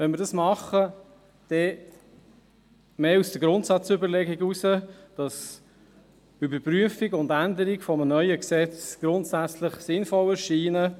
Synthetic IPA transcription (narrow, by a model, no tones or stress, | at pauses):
ʋɛnmɪɾdɑsmɑχə | d̥ɛ | meːusd̥əɡɾʊntsɑt͡sʏbəɾlɛɡiɡusəd̥ɑs | ʏbəɾpɾyəfiɡʊndænd̪əɾiɡfɔmənœʏəksɛt͡sɡ̥ɾʊntsæt͡sləχsɪnfɔləʃiːnə